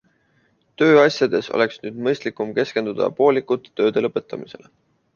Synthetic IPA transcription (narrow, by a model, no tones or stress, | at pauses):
t̪ø̞ːɑsʲjɑd̪̥e̞so̞̰lʔe̞ksnyːd̪mɤjst̪likumke̞ske̞nd̪ud̪̥ɑ̰po̞ːlikːˑut̪ˑːø̞ːd̪̥e̞lɤpːˑe̞t̪ːˑɑmise̞̰le̞